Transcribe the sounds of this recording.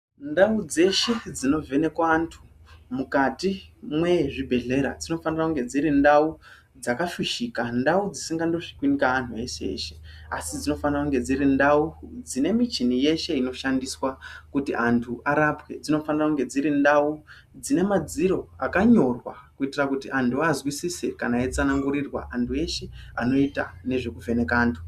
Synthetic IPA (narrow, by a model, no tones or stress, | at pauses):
ndaud͡ze̞ʃe̞d͡zino̞ve̞ne̞kwaːntʰu̥ | mukatimwe̞ʐibʱe̞ɮe̞ɾa̰d͡zino̞fanirakuŋɡe̞d͡ziɾindau | d͡zakaʃuʃikandaud͡zisiŋɡando̞ʂi̥kwinikaantʰue̞ʃeḛʃea̰sid͡zino̞fanirakuŋɡe̞d͡ziɾindaud͡zine̞mit͡ʃinije̞ʃe̞ino̞ʃandiswakutiʔantʰuʔaɾapwe̞d͡zino̞fanirakuŋɡe̞d͡ziɾindau | d͡zine̞mad͡ziɾo̞akaɲo̞rwakuitirakutiʔantʰuazwisisekanaet͡sanaŋɡuɾirwa̰antʰue̞ʃe̞ano̞itane̞ʐe̞kuve̞ne̞kaːntʰu̥